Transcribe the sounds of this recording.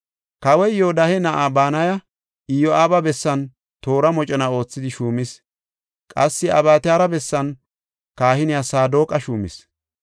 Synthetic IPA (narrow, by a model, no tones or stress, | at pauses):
kɐwɛjjod̪ɐhɛnɐʔaːbaːnɐjɐ | ɪjɔʔaːbɐbɛsːɐn | t̪o̞ːɾɐmɔt͡ʃʼɛnɐo̞ːt͡sːɪd̪ɪʃuːmɪs | kʼɐsːɪɐ̰baːt̪ɪjaːɾɐbɛsːɐn | kaːhɪnɪjasaːd̪o̞ːkʼɐʃuːmɪ̰s